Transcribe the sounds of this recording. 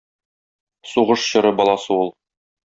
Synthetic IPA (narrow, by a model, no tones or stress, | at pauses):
suʁɤʃɕɤ̆ɾɤbɒlˠɑsɤulˠ